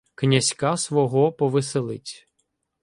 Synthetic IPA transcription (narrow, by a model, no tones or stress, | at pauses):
knʲɐzʲkasʋɔɦɔpɔʋɪselˠɪ̰tʲ